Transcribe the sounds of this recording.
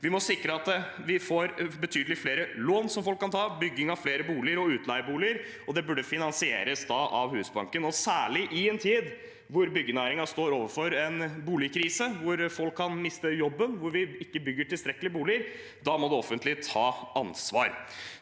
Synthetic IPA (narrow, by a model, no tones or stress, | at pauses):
ʋɪmɔsɪkɾəɑt̪ | ʋɪfoːɾbət̪ʰyːd̪əlɪfleːɾəloːnsɔmfɔlkʰːɑnt̪ʰɑːbʏɡːɪŋɑʋfleːɾəbuːlɪəɾɔʉːt̪lɑɪbuːlɪəɾ | ɔd̪ɛbʉɖəfɪnɑnsɪḛːɾəsd̪ɑʔɑ̰ʋhʉːsbɑ̰ŋkənɔsæːɭɪʔɪɛnt̪ʰiːd̪ | ʋʊɾbʏɡːənæːɾɪŋɑst̪oːɾoːʋəfɔɾɛnbuːlɪkʰɾiːsəʋʊɾfɔlkʰːɑnmɪst̪əjɔbːənʋʊɾʋɪɪkːəbʏɡːəʈɪlst̪ɾɛkːəlɪbuːlɪəɾ | d̪ɑmɔd̪ɛɔfənt̪ʰlɪt̪ʰɑːɑnsʋɑ̰ːɾ